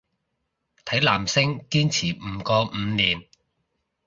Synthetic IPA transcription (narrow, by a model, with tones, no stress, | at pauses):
t̪ʰɐ˨˥jlaː˨˩msɪ˥ŋkiː˥nt͡sʰiː˨˩m̩ː˨˩kɔː˧m̩˨˧niː˨˩n